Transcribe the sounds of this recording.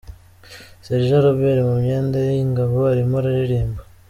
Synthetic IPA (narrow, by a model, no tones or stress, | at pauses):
seɾʒaɾoβeɾimumɲeːndajejiŋɡaβoaɾimoɾaɾiɾiːmbḁ